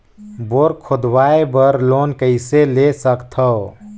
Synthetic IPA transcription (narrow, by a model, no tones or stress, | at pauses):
boɾkʰod̪waebəɾloːnkəɪselesəkt̪ʰə